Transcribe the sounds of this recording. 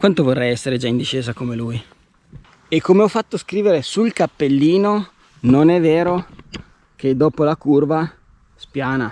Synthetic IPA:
kwant̪ovorːɛjɛsːeɾed͡ʒaind̪iʃeːzakomeluj | ekːomeɔfːat̪ːoskɾiːveɾesulkapːelːiːno | nonɛvːeːɾo | k̟ed̪ːɔːpolakurva | spjaːna

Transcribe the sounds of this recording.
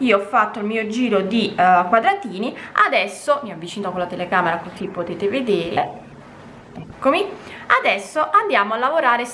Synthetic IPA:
iːoɔfːat̪ːoilmiːod͡ʒiːɾod̪ikwad̪ɾat̪iːniad̪ɛsːomiːoavːit͡ʃiːnokolat̪elekaːmeɾakosipːot̪eːt̪eved̪eːɾḛ | ɛkːomiad̪ɛsːoʔand̪jaːmoalːavoɾaːɾe

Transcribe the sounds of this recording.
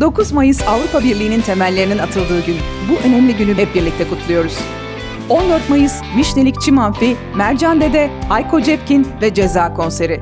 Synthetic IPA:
d̪̥o̞kʰuzmajɯzavɾupʰabiɾlʲiːnint̪ʰe̞mælʲːe̞ɾininat̪ʰɯlˠd̪ɯːɟynbuʔø̞nɛmlʲiɟynybɛp̚biɾlʲic̚t̪ʰɛkut̪ʰulˠujo̞ɾuz̥ | o̞nd̪øɾt̪majɯzmiʃne̞lʲict͡ʃʰimanfi | mæɾd͡ʒand̪ed̪ɛajkʰo̞d͡ʒɛpcinvɛd͡ʒezaːkʰo̞nse̞ɾɪ

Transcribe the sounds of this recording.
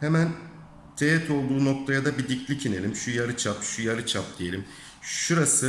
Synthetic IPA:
hemæn | t̪ʰejɛt̪ʰo̞lˠd̪uːno̞k̚t̪ʰajad̪abid̪iclʲicʰine̞lʲimʃujaɾɯt͡ʃʰapʃujaɾɯt͡ʃʰap̚d̪̥ije̞lʲim | ʃʃuɾasɯ

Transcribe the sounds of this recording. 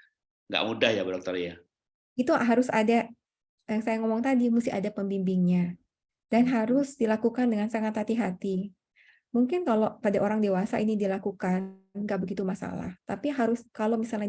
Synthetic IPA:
ŋɡa̰ʔmudahjabədɔk̚t̪ərija | ɡit̪uɦaɾʊsada | jaŋsajaŋɔmɔŋt̪adimusɪa̰dapəmbimbiŋɲa | d̥anɦaɾʊsdilakukandəŋansaŋat̪hat̪iɦat̪i | muŋkɪnkalopadaʔoɾaŋdewasa̰ʔinidilakukanɡaʔbəɡit̪umasa̰la̰ht̪apiɦaɾʊskalomisalɲa

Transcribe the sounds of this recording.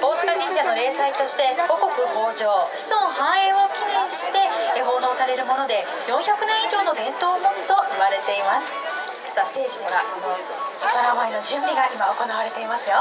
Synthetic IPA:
b̥o̞ːt͡sɨ̥kaʑĩɲ̟d͡ʑano̞ɾe̞ːsait̪o̞ɕi̥t̪e̞ɡo̞ko̞kɯ̟ho̞ːʑo̞ːɕi̥sõ̞ŋɰ̃ɦãɰ̃ẽ̞o̞kʲinẽ̞ɰ̃ɕi̥t̪e̞ːɦo̞ːno̞ːsaɾe̞ɾɯ̟mo̞no̞d̪e̞ | jõ̞ɰ̃çʲakɯ̟nẽ̞ɰ̃iʑo̞ːno̞bẽ̞nt̪o̞ːmo̞t͡sɨ̥t̪o̞iβaɾe̞t̪e̞imasɨ̥ | sasɨ̥t̪e̞ːʑid̪e̞βa̰kon | okaɾamaino̞d͡ʑɨ̃mbʲiɡaʔimao̞ko̞naβaɾe̞t̪e̞imasɨjo̞

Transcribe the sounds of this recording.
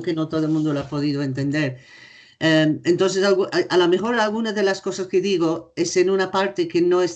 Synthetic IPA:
kenot̪oðomũnd̪olapoðiðoent̪end̪eɾ | eent̪ons̬esalɣuʔalomexo̞ɾalɣunaðelasko̞saskeðiɣoesenunapaɾt̪ekenoes

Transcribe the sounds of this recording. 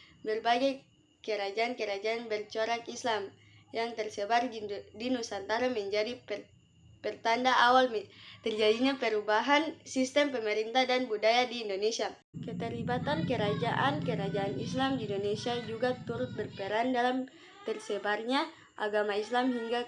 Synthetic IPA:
bərbaɡaj | kəɾad͡ʒaːnkəɾad͡ʒaːnbɛrt͡ʃoɾakislam | jaŋt̪ɛrsɛbarddinusant̪aɾamɛɲd͡ʒadip | pɛrt̪andaawalmt̪ɛrd͡ʒadiɲapɛɾubaɦansist̪ɛmpɛmɛɾint̪adanbudajadiːndonesia | kɛt̪ɛɾibat̪ankəɾad͡ʒaʔankəɾad͡ʒaanislamdiːndonesiad͡ʒuɡat̪uɾʊt̪̚bərpɛɾandalam | t̪ɛrsɛbarɲa | ʔa̰ɡamaislamɦiŋɡa

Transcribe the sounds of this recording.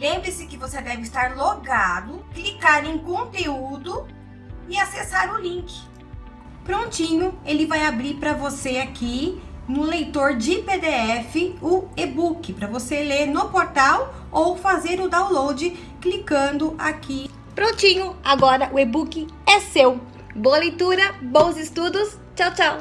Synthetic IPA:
lẽmbɾɪsɪkɪvosed̪ɛvɪst̪aɾloɡad̪ʊklikaɾẽj̃kõnt̪eud̪ʊ | ɪasesaɾʊlĩŋkɪ̥ | pɾõnt͡ʃĩɲʊelɪvajabɾiɾpɾɐvoseakinʊ̃lejt̪oɾd͡ʒɪped̪eɛfɪʊebukɪpɾɐvoseleɾnʊpoɾt̪aw | owfazeɾʊd̪aw̃lowd͡ʒɪ | klikɐ̃nd̪ʊʔaki | pɾõnt͡ʃĩɲʊaɡɔɾɐʔʊebukɪɛsew | boɐlejt̪uɾɐbõw̃zɪst̪ud̪ʊs | t͡ʃawt͡ʃaw

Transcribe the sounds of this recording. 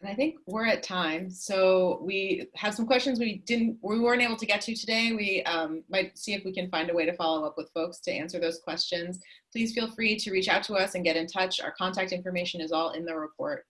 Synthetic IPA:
ɨ̃naɪθɪ̃ŋkwɪɹɨtʰãɪ̃msoʊwiɨv̥sʌ̃mkw̥ɛst͡ʃɨ̃nzwidɪdⁿn̩twiwɪ˞ɨ̃nteɪbl̩ˠtʰɨɡɛtʰɨɾɨdeɪwiʌ̃mmaɪt̚siɨfwikɨ̃nfãɪ̃ndɨweɪɾɨfɑlˠoʊʌpwɨð̥foʊkstʰɨʔæ̰̃nsə˞ðoʊz̥kʰw̥ɛst͡ʃɨ̃nz̥pʰl̥iz̥filˠfɹiɾɨɹit͡ʃaʊtʰəʌsɨ̃nɡɛɾɨ̃ntʰʌt͡ʃa̰ə˞kʰɑ̃ntæk̚tɪ̃ɱfə˞meɪʃɨ̃nɨzɔlˠɪ̰̃nðɨɹɨpʰɔ̰ɹt̚

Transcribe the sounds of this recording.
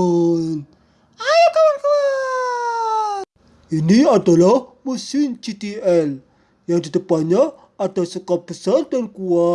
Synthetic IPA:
n | ajkawankua | iniada̤lahmusɪnt͡ʃit̪iɛl | jaŋd̪i̤t̪əpaɲa | ad̥a̤sukɔp̚b̥əsard̪ankua

